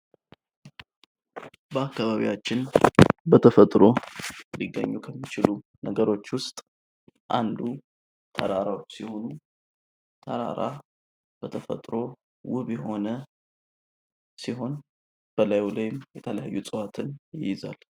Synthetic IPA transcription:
bəakːaβaβḭjat͡ʃːɪnbət̪ʰəfət̪ʼɾo̞liɡːə̰ɲːukʰəmːit͡ʃɪlunəɡəɾo̞t͡ʃːwʊst̪ʼ | ʔand̪u | t̪ʰə̰ɾaɾawsiho̞nu | t̪ʰəɾa̰ɾa̰ | b̥ət̪ʰəfə̰t̪ʼɾo̞ | wʊβjɛɦo̞nə | siɦo̞n | b̥əlajlajɪmjɛt̪ʰələjajːusʼəwat̪ʰɨnjjɪza̰l

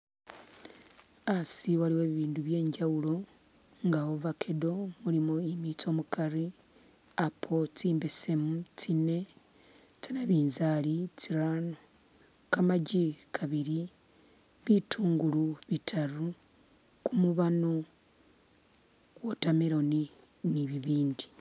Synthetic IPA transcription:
asiwaɾiwe̞ːβiβiːnduβje̞ːɲɟawulo̞ŋɡawovakʰedo̞muɾimoemit͡so̞ːmukaɾi | apʰo̞t͡siːmbese̞mut͡sine̞ | t͡sanaβiːnzalit͡siɾanokamaɟikʰaβiɾi | βitʰuːŋɡuluβitʰaɾu | kumuβano | wotameɾo̞niniβiβiːndi

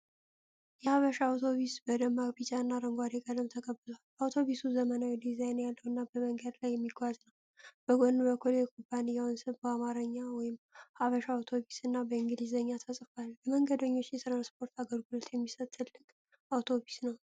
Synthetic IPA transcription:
jɛhaβəʃawt̪ʰoβisbəd̪əmːaɾbit͡ʃʼaɨnːaɾəŋɡʷad̪ekʼəd̪əmt̪ʰəkʼəbːɨlalawt̪ʰo̞βisuzəmənawjɛd̪izajnjalːəwɨnːabəməŋɡəd̪lajːɛmːiɡwaznəw | b̥əɡʷʼɔnːɨbəkʰuljɛkʼʰobanijawnsɨβbəamaɾəɲːawɔjɪmhaβəʃawt̪ʰoβisɨnːabəiŋɡɨlizəɲːat̪ʰəsʼɨfalbəməŋɡəd̪əɲːo̞t͡ʃːjɛt̪ɾanspʰo̞ɾt̪aɡəlɡult̪jɛmːisət̪t̪ʰːɨlːɨkʼ | awt̪ʰo̞βisnəw

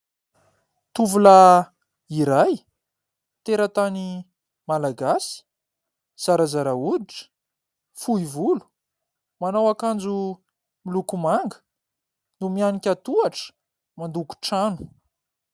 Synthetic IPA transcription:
t̪uvula | iɾaj | t̪eɾət̪ani | malaɡasi̥ | z̥aɾazaɾaud̪iʈ͡ʂə̥ | fuivulu̥ | manawakand͡zu | milukumaŋɡə̥ | numianikʲat̪uaʈ͡ʂə̥ | mand̪uku̥ʈ͡ʂanu̥

